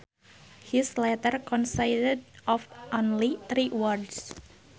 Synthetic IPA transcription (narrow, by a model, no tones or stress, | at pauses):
hislɛt̪ərkɔ̃nsajdədɔfʔonliθɾiwərds